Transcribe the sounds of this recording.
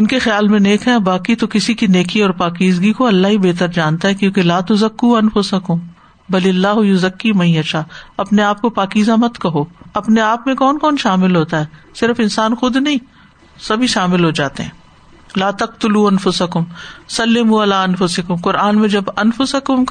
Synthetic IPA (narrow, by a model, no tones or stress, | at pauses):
ɪnkexjaːlmẽneːkʰɦɛ̃baːkit̪okɪsikineːkʰiɔːɾpaːkiːzɡikoɐlːaɦibeːt̪əɾd͡ʒaːnt̪aɦɛkjõːkelaːt̪ʊzɐkːuːɐnfʊsɐkʊm | bɐlɪɐlːaːɦʊjʊzɐkːimɐ̃ɦĩɐʃʰaːɐpneaːp̚kopaːkiːzamɐt̪kɐɦoːɐpneaːpmẽkɔːnkɔːnʃaːmɪlɦoːt̪aɦɛːsɪɾfɪnsaːnxʊd̪nɐɦĩː | sɐbʱiʃaːmɪlɦod͡ʒaːt̪ḛɦɛ̰̃ː | laːt̪ɐq̚t̪ʊluːɐ̃nfʊsɐkʊmsɐlːɪmuːɐlaːɐnfʊsɪkʊmqʊɾʔaːnmẽd͡ʒɐbɐnfʊsɐkʊmk